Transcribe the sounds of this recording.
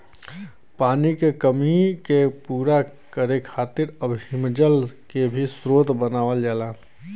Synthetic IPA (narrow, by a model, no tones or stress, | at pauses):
paːnikekəmikepuːɾa | kəɾekʰaːt̪ɪɾəbʱɦɪmd͡ʒəlkebʱisɾoːt̪bənaːʋəld͡ʒaːlaː